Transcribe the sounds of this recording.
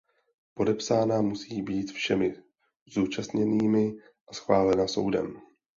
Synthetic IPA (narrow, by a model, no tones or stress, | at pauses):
po̞dɛpsaːnamusiːbiːt̪fʃɛmɪ | zuːt͡ʃast̪ɲɛniːmɪ | ʔasxvaːlɛnaso̞̰wdɛ̰m